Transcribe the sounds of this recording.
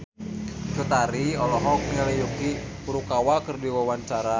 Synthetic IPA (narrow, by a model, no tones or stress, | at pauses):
t͡ʃut̪aɾiɔlɔɦɔk̚nalɛjuki | puɾukawakərdiwawant͡ʃaɾa